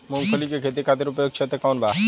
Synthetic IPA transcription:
mʊŋkʰəlikekʰet̪̬ikʰaːt̪̬eɾʊpjoːɡ̚t͡ʃʰet̪ekɔːnbaː

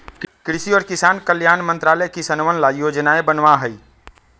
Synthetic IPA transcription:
kɾɪsiɔːɾkɪsaːnkəljaːnmə̃nt̪ɾaːləkisɐnʋənlajoːd͡ʒnaebənʋaɦəi

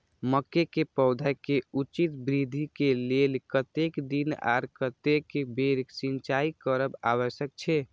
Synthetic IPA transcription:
məkːekepɔʊd̪ʱakeut͡ʃit̪bɾid̪ʱikelelkət̪ekd̪ina̰ɾkət̪ekebeɾksint͡ʃaikəɾəba̰wəsjək̚t͡ʃʰɛ

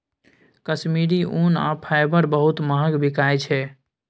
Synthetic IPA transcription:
kəsmiɾiʔuna̰pʰaɪbəɾbəɦut̪məɦəkbʱikajt͡ʃʰɛ

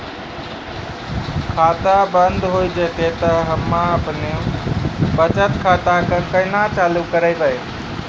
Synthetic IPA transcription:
kʰat̪abənd̪ʱɦojd͡ʒət̪et̪əɦəmːaəpne | bət͡ʃət̪kʰat̪akəkəɪnat͡ʃalukəɾəjbaj

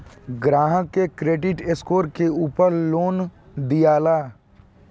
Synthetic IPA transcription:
ɡɾãːɦə̃kekɾeːɖɪʈeskoːɾkeuːpəɾloːn | d̪ijaːlaː

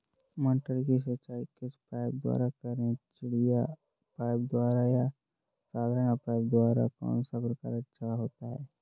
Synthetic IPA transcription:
mə̃ɳʈəɾkis̬ət͡ʃaːikɪspaːɪb̚d̪wa̰ːɾakəɾẽt͡ʃɪɽija | paːɪb̚d̪waːɾaja | saːd̪ʱəɽ̃apaːɪb̚d̪waːɾa̰kɔ̰ːnsapɾɐka̰ːɾətːʃʰaaɦoːt̪aɦɛː

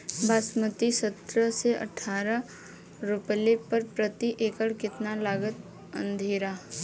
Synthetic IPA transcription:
bʱaːsmət̪isət̪ɾəseʔə̰ʈʰːaːɾə | ɾʊplepəɾpɾət̪iʔeːkəɽkɪt̪nalaːɡət̪̚ | ə̰̃nd̪ʱeːɾaː

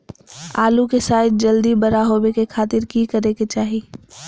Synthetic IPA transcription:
aːlukesaːɪd̪̚d͡ʒɐld̪ibɐɾaɦoːwekekʰaːt̪ɪɾkikəɾeket͡ʃaːɦiː

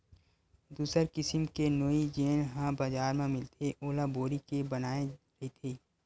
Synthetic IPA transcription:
d̪uːsəɾkɪsɪmkenoid͡ʒeːnɦãbaːzaːɾmẽmɪlt̪ʰeʔoːlaboːɾikebɐnaːeɾɐɦit̪ʰeː

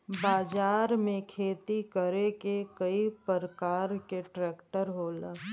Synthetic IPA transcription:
baːd͡ʒaːɾmẽkʰeːt̪ikəɾekekəipəɾəkaːɾkeʈɾɛːkʈəɾɦoːlə

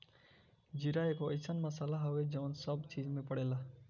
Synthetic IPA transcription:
d͡ʒiɾaeːkoəsənməsaːlaɦəʋed͡ʒəʋənsəbt͡ʃiːd͡ʒmẽpəɽeːla

